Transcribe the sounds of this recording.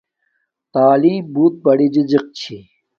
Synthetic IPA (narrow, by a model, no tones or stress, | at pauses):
t̪aːliːbuːt̪̚bɐɽid͡ʑid͡ʑiq̚t͡ɕʰi